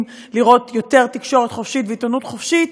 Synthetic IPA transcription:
m | liʁo̞t̪jo̞te̞ʁt̪ikʃo̞ʁet̪χofʃitveitonutχofʃit

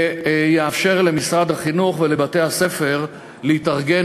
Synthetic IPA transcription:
jeafʃe̞ʁle̞misʁad̪haχinuχvele̞bat̪e̞jhase̞fe̞ʁ | leitaʁɡe̞

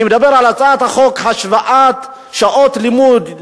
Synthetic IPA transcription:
med̪abe̞ʁalat͡saat̪haχo̞khaʃvaʔat̪ | ʃaʔo̞t̪limud̪

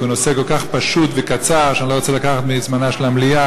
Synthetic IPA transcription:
unoseko̞lkaχpaʃut̪vekat͡saʁʃanilo̞ot͡selakaχat̪mizmanaʃelamlia

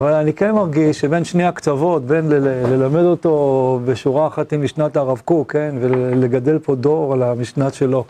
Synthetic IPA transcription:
avalanikenmaʁɡiʃːebenʃneakt͡savo̞tbenlle̞lame̞d̪o̞t̪o̞beʃuʁaːχat̪imːiʃnat̪aːʁavkuke̞nvele̞ɡad̪e̞lpo̞d̪o̞ʁalamiʃnatʃe̞lo̞

